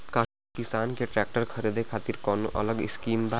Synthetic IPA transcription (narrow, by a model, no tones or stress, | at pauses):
ka | kisaːnkeʈɾɛk̚ʈəɾkʰəɾed̪ʱekʰaːt̪iɾkɔnuʔə̰ləɡɪskiːmba